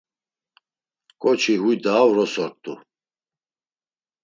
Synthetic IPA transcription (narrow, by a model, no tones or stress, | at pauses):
kʼɔt͡ʃʰiɦujd̪aːwɾɔsɔɾt̪ʼṵ